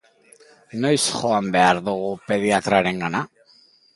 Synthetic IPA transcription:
no̞jsʝo̞ambe̞aɾðuɣupe̞ðiat̪ɾaɾe̞ŋɡana

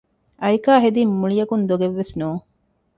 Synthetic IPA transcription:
ʔɐjkaːɦed̪imːuɭijɐkund̪oɡeʋːesnuː

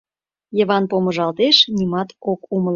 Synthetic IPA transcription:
jə̆βɑnpomə̆ʒɑlt̪eʃnimɑt̪okuməl

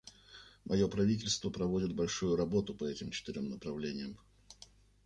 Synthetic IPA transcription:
mʔɐjo̞pɾɐvʲit̬ʲɪlʲst̪vəpɾɐvo̞dʲɪt̪̚bɐlʲʂujʊɾɐbo̞t̪ʊpɐɛtʲɪmt͡ɕɪ̥t̪ɪɾʲomnəpɾɐvlʲenʲɪjəm

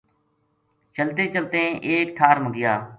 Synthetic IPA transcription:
t͡ʃəlt̪eːt͡ʃəlt̪ẽːʔeːk̚ʈʰaːɾməɡɪjaː

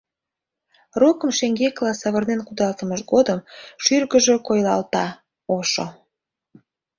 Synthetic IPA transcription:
rokəmʃeŋɡeklɑsɑβərnenkud̪ɑlt̪əməʃɡod̪əmʃyrɣəʒekojlɑlt̪ɑ | oʃo̰

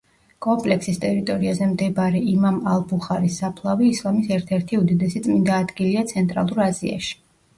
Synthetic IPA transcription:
kʼɔmpʼlɛksist̪ʼɛɾit̪ʼɔɾiazɛmd̪ɛbaɾɛimamalˠbuχaɾisːapʰlˠaviːslˠamisɛɾt̪ʰɛɾt̪ʰiud̪id̪ɛsit̪sʼmind̪aːd̪ɡiliat̪sʰɛnt̪ʼɾa̰lˠuɾazia̰ʃi̥

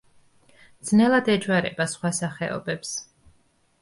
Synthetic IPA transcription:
d̪z̥nɛlˠad̪ɛd͡ʒwaɾɛ̰basχwasaχɛ̰ɔ̰bɛps

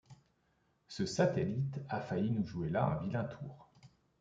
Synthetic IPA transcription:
səsat̪elit̪afainuʒuelaɛ̰̃vilɛ̃t̪ʰuːʁ

